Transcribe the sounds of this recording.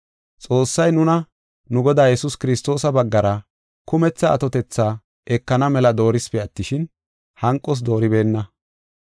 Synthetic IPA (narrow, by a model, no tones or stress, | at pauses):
t͡sʼo̞ːsːɐjnʊnɐ | nʊɡɔd̪aːjɛsʊskɪɾɪst̪o̞ːsɐbɐɡːɐɾɐ | kʊmɛt͡sːɐ̰ːt̪ɔt̪ɛt͡sːaː | ʔɛkːɐnɐmɛlɐd̪o̞ːɾɪspɛɐt̪ːɪʃɪn | hɐŋkʼːɔs̬d̪o̞ːɾɪbe̞ːnːɐ